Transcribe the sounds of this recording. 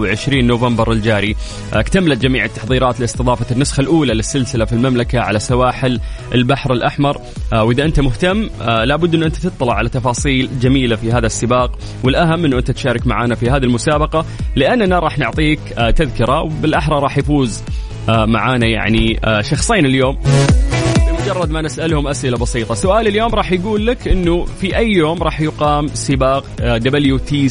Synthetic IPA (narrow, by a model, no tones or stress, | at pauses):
wʕɪʃɾiːnːoːvambɑɾˤɪld͡ʒaːɾi | kt̪amːalat̪̚d͡ʒamiːʕɪt̪ːɑ̥ħðˤiːɾˤɑːt̪lɪst̪ɨðˤɑːfanːʊsxalʔuːlalɪsːɪlsɪlafilmamlakaʕa̰lasawaːħɪlʔɪlbaħɾɪlʔaħmɑɾˤ | wʔɪðaʔɪnt̪amʊht̪amːlaːbʊd̪ːʔɪnːʔɪnt̪at̪ɨt̪ˤːɑlɑʕalat̪ːɑfɑːsˤiːld͡ʒamiːlafihaːðasːɪbaːq | wɪlʔaɦamːʔɪnːʔɪnt̪at̪ʃaːɾˤɑkmaʕaːnafihaːðilmʊsaːbɑqɑlɪʔanːnaɾˤɑːħnʊʕt̪ˤiːkt̪aðkɪɾˤawbɪlʔaħɾˤɑɾˤɑːħjafuːz | ma̰ʕaːnaja̰ʕniʃɑxsˤiːnɪljoːm | bɪlmʊd͡ʒɑrˤːɑd̪manɪsʔalhʊmʔasʔɪlabɑsiːt̪ˤɑsʊʔaːlɪljoːmɾˤɑːħjaɡuːlːakʔɪnːufiʔajːoːmɾˤɑːħjʊqɑːmsɪbɑːqd̪abɪljut̪ʰiː